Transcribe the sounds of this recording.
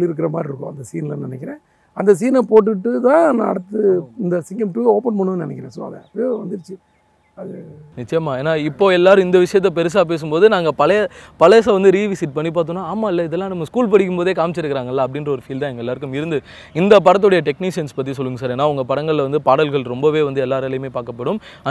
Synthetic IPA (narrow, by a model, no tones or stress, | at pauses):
lɪɾɯk̬ːɪɾɐma̰ːd̪ɾɪɾɯkːõ̰ɐnd̪ɐsḭːnlɐnɪnɛkʲːɪɾḛ̃ː | ɐnd̪ɐs̬iːnɐpoːʈ̬ːɯʈːɯt̪ãːnãːɐ̰ɽɯt̪ːɯɪnd̪ɐsɪŋɡɐmʈuːoːpɐnmɐɳɯenɪnɛkːɪɾḛ̃ːso̰ːɐ̰ðɛ̰ɐpːʋɐnd̪ɯɾɯt͡ʃːɯ | ɐðɯnɪt͡ʃːɐjɐmaːeːnːaːɪpːoːɛlːaːɾɯ̃ɪnd̪ɐʋɪʂɐjɐt̪ːɐpɛɾɯs̬aːp̬eːs̬ɯmpoːðɯnaːŋɡɐpɐlɐpɐlɛsaːʋɐnd̪ɯɾiːʋɪsɪʈ̚pɐɳːip̬aːɾt̪ɯ̃nːaːaːmaːɪlːɐɪðɛlːãːnɐmːɐskuːlpɐɽɪkʲːɯmpoːðeːkaːmt͡ʃːɪɾɯkːɪɾaːŋɡɐlːaːɐp̬ːɽɪnrɾɐɔɾɯfiːlt̪ãːɛŋɡɐɛlːaːɾɯkːɯmɪɾɯnd̪ɯ | ɪnd̪ɐp̬ɐɽɐt̪̬ːʊɽɐjɐʈɛkniːʂɪjɐnspɐt̪̬ːisɔlːɯŋɡɐsaːɾeːnːaːʊŋɡɐpɐɽɐŋɡɐɭlʋɐnd̪ɯpaːɽɐlɣɐɭɾɔmbɐʋeːʋɐnd̪ɯɛlːaːɾɐlɐjɯmeːpaːɾkɐpːɐɽɯmɐ